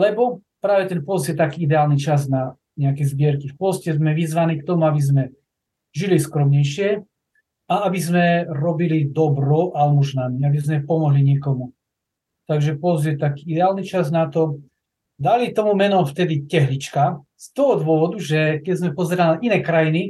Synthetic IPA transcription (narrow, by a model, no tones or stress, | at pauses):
lɛbɔpɾaːʋɛt̪ɛnpɔzzjɛt̪akiːid̪ɛaːlnit͡ʃazna | ɲɛakɛzbɪɛɾkifpɔscɛzmɛʋizʋaniːkt̪ɔmuabizmɛ | ʒiliskɾɔmɲɛjʃɪɛ | aabizmɛɾɔbilid̪ɔbɾɔʔalɛmɔʒnamiabizmɛpɔmɔɦliɲɪɛkɔmu | t̪aɡʒɛpɔzjɛt̪akiːid̪ɛaːlnit͡ʃaznat̪ɔ | d̪alit̪ɔmumɛnɔft̪ɛd̪icɛɦlit͡ʃka | st̪ɔɦɔd̪ʋʊɔʋɔd̪uʒɛkɛɟzmɛpɔzɛɾalinaʔinɛːkɾajini